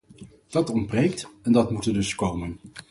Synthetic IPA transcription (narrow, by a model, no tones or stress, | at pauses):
d̥ɑtɔndbrejk̚tɛndɑtmutədɵskowmən